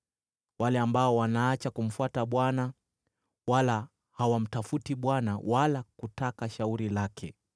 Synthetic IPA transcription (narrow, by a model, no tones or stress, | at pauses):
walɛambaɔwanaːt͡ʃakum̩fwataɓwana | wala | hawam̩tafutiɓwanawalakutakaʃauɾilakʰɛ